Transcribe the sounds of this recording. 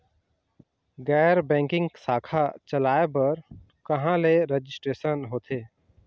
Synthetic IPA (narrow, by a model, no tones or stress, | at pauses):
ɡɛːɾbɛ̃ːŋkɪ̃ŋɡsaːkʰat͡ʃəlaːebəɾ | kəɦãleɾed͡ʒɪsʈɾeːsənɦoːt̪ʰeː